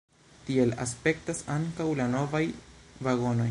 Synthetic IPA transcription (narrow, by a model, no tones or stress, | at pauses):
tie̞la̰spe̞ktasaŋkawlano̞vajvaɡo̞no̞j